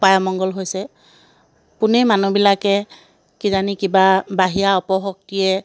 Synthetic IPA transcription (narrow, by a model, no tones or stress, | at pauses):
pajɔmɔŋɡɔlɦojsɛ | pʊnɛmanubilakɛ | kizanikibabaɦijaɔpɔɦɔk̚tijɛ